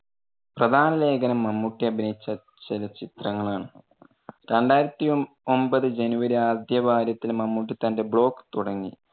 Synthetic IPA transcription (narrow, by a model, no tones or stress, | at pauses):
prɐd̪ʱaːnɐle̞ːɡɐnɐmːɐmːuʈːiɐbʱinɐjit͡ɕːɐ | t͡ɕelɐt͡ɕit̪rɐŋːɐɭaːɳɨ | ɾe̞ɳɖaːjiɾɐt̪ːi | ombɐðɨd͡ʑenuʋɐɾiaːd̪ʱjɐbʱaːɾjɐt̪ːilmɐmːuʈːit̪ɐnde̞bɭo̞ːkːɨ̥t̪uɽɐŋːi